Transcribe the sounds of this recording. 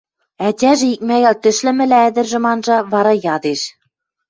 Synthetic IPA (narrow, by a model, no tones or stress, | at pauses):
ætʲæʒɘ̆ik̚mæɣælt̪ɘ̆ʃlɘ̆mɘ̆lææd̪ɘ̆rʒɘ̆mɑnʒɑβɑɾɑjɑd̪eʃ